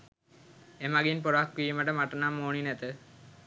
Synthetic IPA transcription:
emaɡinpoɾakʋiːməʈəmaʈənamːoːninæt̪ə

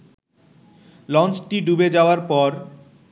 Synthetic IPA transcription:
lɔnt͡ɕʈiɖubed͡ʑaoaɾpɔɾ

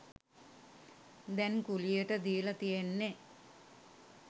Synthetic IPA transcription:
d̪ɛnkulijeʈəd̪iːlɐt̪ijenːe

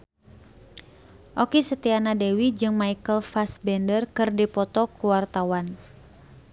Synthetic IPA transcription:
ʔɔkisət̪ianadɛwid͡ʒɨŋmaikəlfasbɛndərkɨrdipɔt̪ɔkuwart̪awan

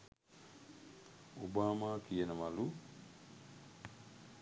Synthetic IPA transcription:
ubamakijenamalu

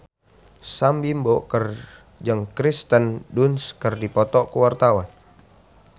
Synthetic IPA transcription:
sambimbɔkər | d͡ʒaŋkɾist̪əndunskərdipɔt̪ɔkuwart̪awan

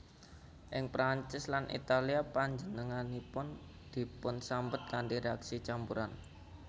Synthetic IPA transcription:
ʔɪŋpɾant͡ʃɪslanʔḭt̪aliapaɲd͡ʒənəŋanipʊn | d̪̥i̤pʊnsambət̪̚kandiɾeaksit͡ʃampuɾan

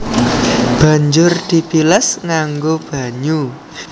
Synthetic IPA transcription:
b̥ä̤ɲd͡ʒʊrd̪̥i̤pilɛsŋaŋɡob̥a̤ɲu

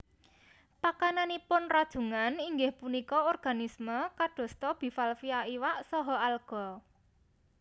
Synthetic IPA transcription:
pakananipʊnrad̥ʒ̥ṳŋaniŋɡɪhpunikɔɔrɡ̥a̤nisməkaɖ̥ɔ̤st̪ɔb̥i̤falfiaiwaʔsɔɦɔalɡ̥ɔ̤

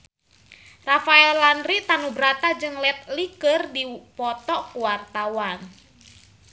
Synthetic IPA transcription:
rafaɛllanɾit̪anubɾat̪ad͡ʒɨŋlɛt̪̚likərdipɔt̪ɔkuwart̪awan

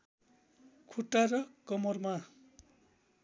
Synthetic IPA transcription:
kʰuʈːaɾʌkʌmʌrma

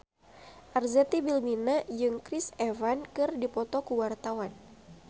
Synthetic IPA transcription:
ʔarzɛt̪ibilminad͡ʒɨŋkɾisɛvankɨrdipɔt̪ɔkuwart̪awan

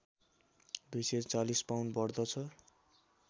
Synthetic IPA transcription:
d̪ujset͡salispawɳɖbʌrd̪ʌt͡sʰʌ

